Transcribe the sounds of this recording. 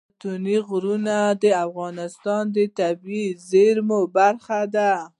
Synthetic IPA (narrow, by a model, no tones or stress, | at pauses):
t̪uniɣɾunad̪əafɣɑnɪst̪ɑnd̪ət̪abizeɾmobaɾxad̪a